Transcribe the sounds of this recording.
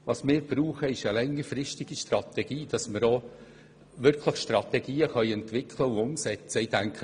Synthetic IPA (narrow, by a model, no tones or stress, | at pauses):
ʋɑsmɪːɾbɾuːχəɪʃəlɛŋːəɾfɾɪʃtɪɡiʃtrɑt̪ɛɡ̥iːd̥ɑsməɾo | ʋɪrkʰləχʃtrɑt̪ɛɡ̥iːəχœʏɛntʋɪkʰləʊʊmsɛt͡səɪd̥æŋkχə